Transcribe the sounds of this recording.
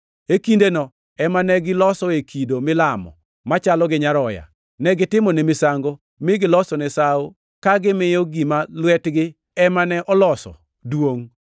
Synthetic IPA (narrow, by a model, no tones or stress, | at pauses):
ekindenɔ | ɛmanɛɡɪlɔsɔekʰidomɪlamɔ̰ | mat͡ʃalɔɡɪɲaɾɔja̰ | nɛɡɪtɪmɔnemɪsaŋɡo | mɪɡɪlɔsɔnɛsao | kaɡɪmɪjɔɡimalwɛtɡɪ | ɛmanɛʔɔlɔsɔ̰ | dwoŋ